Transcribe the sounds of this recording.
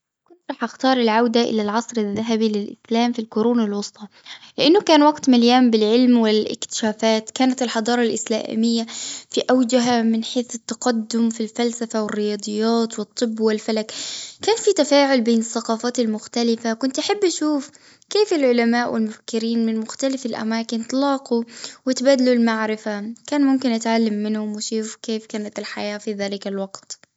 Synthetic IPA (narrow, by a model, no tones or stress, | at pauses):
kʊnt̪ɾˤɑːħʔaxt̪ɑːɾˤɪlʕawd̪aʔɪ̰lalʕɑsˤɾaðːaɦabilɪlʔɪslaːmfilkʊɾuːnalwɑsˤt̪ˤɑ | lɪʔanːʊkaːnwaɡt̪maljaːmbɪlʕɪlmwɪlʔɪ̰kt̪ɪ̥ʃaːfaːt̪kaːnat̪ɪlħɑd̪ˤɑːɾˤɑlʔɪsla̰ːmɪjːafiʔawd͡ʒaɦamɪnħeːθɪt̪ːɑqad̪ːʊmfilfalsafawɪrːɪjɑːd̪ˤɨjːaːt̪wɨt̪ˤːɨbːwɪlfalakkaːnfit̪afaːʕʊlbeːnɪθːɑqɑːfaːt̪ɪlmʊxt̪alɪfakʊnt̪ʔaħabːʔaʃuːf | keːfɪlʕʊlamaːʔwɪ̰lmʊfḁkːɪɾiːnmɪnmʊxt̪alɪfɪlʔa̰maːkɪnt̪ɑlɑːquwɪt̪baːd̪alulmaʕɾɪfakaːnmʊmkɪnʔat̪ʕalːamːɪnhʊmwɪʃuːfkeːfkaːnat̪ɪlħajaːfiðaːlɪkalwɑɡt̪